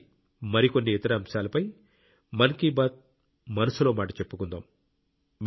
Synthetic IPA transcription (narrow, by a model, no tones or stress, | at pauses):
mɐɾiko̞nːiːt̪ɐɾɐːmʃaːlɐpɐj | mɐnkiːbaːt̪̚ | mɐnɐsuloːmaːʈɐt͡ʃe̞pːukund̪aːm | m